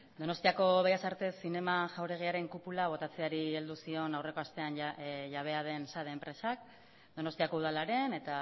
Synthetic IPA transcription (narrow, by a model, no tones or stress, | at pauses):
d̪o̞no̞st̪iako̞βejasaɾt̪e̞sine̞maʝawɾe̞ɣ̞iaɾe̞ŋkupulaβ̞o̞t̪at͡se̞aɾie̞ld̪usio̞nawre̞ko̞ast̪e̞anʝaβ̞e̞að̞e̞nsaðeːmpɾe̞sak̚ | d̪o̞no̞st̪iako̞uð̞alaɾe̞ne̞t̪a